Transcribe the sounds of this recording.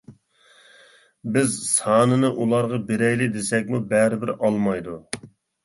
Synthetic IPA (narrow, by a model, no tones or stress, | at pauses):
bɪzsɑːnɨnɨʔulˠɑɾʁɑbeɾɛjlɪd̪esɛkʲmubɛɾɪbɪɾɑlˠmɑjd̪u